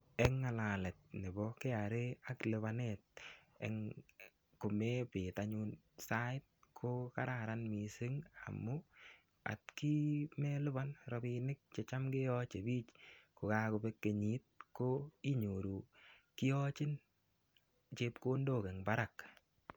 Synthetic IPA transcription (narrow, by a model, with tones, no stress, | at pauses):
ɛ˦ŋːa˨la˨lɛ˨t̪̚nɪ˨bɔ˦ke˦a˨ɾe˦a˦klɪ˨βa˦nɛt̚ | ɛ̰ŋ | kʊ˨me˦pɪ˨ta˦ɲu˦n | sa˦ɪ˦t̚kʰo˦kaɾa˨ɾa˦nmi˨se˦ŋa̰˨mːʊ | a̰˨t̚ki˦mɛ˦lɪ˦ba˦nɾɔ˨bɪ˧nɪ˦k̚t͡ʃe˨t͡ʃa˦mɡɪ˦ɔ˦t͡ʃe˨biː˦t͡ʃkʊ˨ka˦kʊ˨be˦kːe˨ɲi˦t̚ko˦i˦ɲo˨ɾu˨kɪ˦ɔ˦t͡ʃɪ˦n | t͡ʃe˦p̚ko˦ndo˦˨kɛ˨ŋba˦ɾa˨k